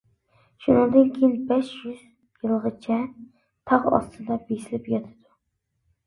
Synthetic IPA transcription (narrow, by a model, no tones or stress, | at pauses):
ʃunɨŋd̪ɨnkʲʰejinbɛʃjyz̥ | jɨlˠʁət͡ʃʰɛ | t̪ʰɑʁɑ̰st̪ʰɨd̪ɑbesɪlɪpjɑt̪ʰɪ̥d̪̥u